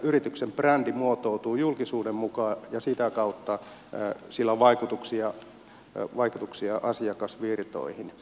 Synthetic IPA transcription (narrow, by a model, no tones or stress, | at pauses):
yrit̪yksemprændimuot̪oˑut̪uːjulkisuːdemmukɑːjɑsit̪ækɑut̪ːɑ | silːæʋɑikut̪uksiɑ | ʋɑikut̪uksiɑʔɑsiɑkɑsʋirt̪o̰ihin